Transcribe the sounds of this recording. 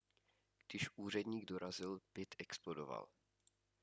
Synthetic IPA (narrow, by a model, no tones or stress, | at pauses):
ɡ̥d̥ɪʃʔuːr̝ɛdɲiːɡdoɾazɪlb̥ɪt̪ɛksplodova̰l